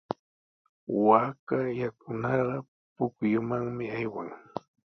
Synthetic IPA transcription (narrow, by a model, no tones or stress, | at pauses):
wakajakʊnɑɢɑ | pʊkjʊmaŋmɪajwaŋ